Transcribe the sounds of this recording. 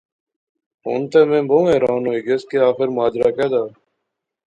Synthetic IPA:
ɦo̰ːnt̪eːmẽːbõːeːɾaːnoːɪɡeskeːaːxɪɾmaːd͡ʒɾaːkeːd̪aː

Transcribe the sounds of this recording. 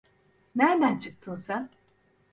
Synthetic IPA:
næɾd̪ænt͡ʃʰɯk̚t̪ʰɯlˠsan

